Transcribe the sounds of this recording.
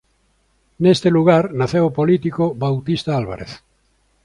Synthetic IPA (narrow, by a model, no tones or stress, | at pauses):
nest̪eluɣaɾnaθewopolit̪ikobawt̪ist̪aalβa̰ɾḛθ